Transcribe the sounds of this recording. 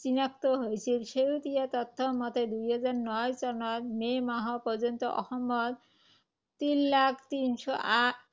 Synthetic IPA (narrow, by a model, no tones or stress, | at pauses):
t͡ɕinak̚t̪oɦojt͡ɕʰilʃeut̪iat̪ɔt̪ʰːomɔt̪ed̪ujɦɔd͡ʑaɾnɔjt͡ɕɔnɔd̪memaɦopɔd͡ʑont̪oʔɔ̰hɔmːɔd̪ | t̪inlakʰt̪inʃɔʔa